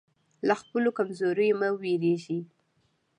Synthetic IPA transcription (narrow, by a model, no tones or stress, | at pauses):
laxpəlokamzoɾəjomaweɾeʒi